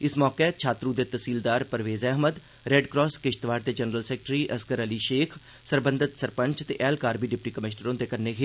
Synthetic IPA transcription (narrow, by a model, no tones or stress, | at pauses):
ɪsmɔːket͡ʃʰaːt̪ɾũd̪et̪əsiːld̪aːɾpəɾʋeːzɛɦməd̪ | ɾeːɖkɾɔːskɪʃt̪ʋaːɾd̪eːd͡ʒənɾəlsɛːk̚ʈɾiːʔəskəɾəliʃeːkʰ | səɾbə̃nd̪ɪt̪səɾpə̃ɲt͡ʃt̪eʔɛːlkaːɾbiːɖɪpʈiːkəmɪʃnəɾõːd̪ekəɾnekʰe